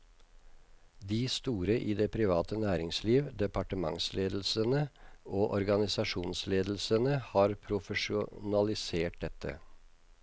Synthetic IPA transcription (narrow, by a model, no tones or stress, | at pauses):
d̪iːst̪uːɾəʔiːd̪ɛːpʰɾɪʋɑːt̪ʰənæːɾɪŋsliːʋd̪ɛpʰɑʈəmɑ̰ŋslʔeːd̪l̩sənəʔoːʔɔɾɡɑnɪsɑʂuːnsleːd̪l̩sənəhɑːɾpʰɾʊfəʂʊnɑlɪseːʈ̚d̪ɛt̪ʰːə̰